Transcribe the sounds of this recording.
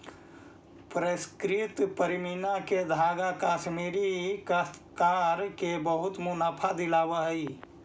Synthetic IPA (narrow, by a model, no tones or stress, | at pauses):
pɾəskɾit̪pəɾiminaked̪ʱaɡakasmiɾik̪kaɾkebəɦut̪munapʰad̪ilabəɦəj